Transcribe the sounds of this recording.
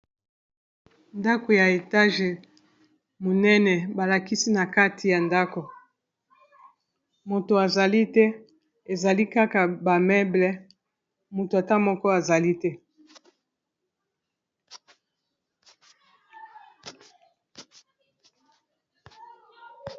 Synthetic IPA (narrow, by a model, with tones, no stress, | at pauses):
nda˦ko˨ja˨e˨ta˦ʒe˨ | mo˨nɛ˦nɛ˨ba˨la˨ki˦si˦na˨ka˦tʰi˨ja˨nda˦ko˨ | mo˨to˨a˨za˨li˦tɛ˦ | e˨za˨li˦ka˦ka˨ba˨mɛ˦blɛ˨ | mo˨to˨a˨ta˦mɔ˦kɔ˦a˨za˨li˦tɛ˦